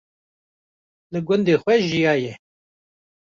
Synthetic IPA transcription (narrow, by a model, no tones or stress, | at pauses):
lɨɡʊnd̪eːxwɛʒijɑːjɛ